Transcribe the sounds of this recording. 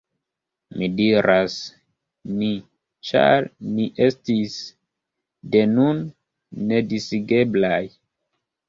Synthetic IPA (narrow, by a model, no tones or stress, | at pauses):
midiɾʔas | mi | t͡ʃa̰ɾniʔe̞stis | de̞nunː | e̞disiɡe̞blaj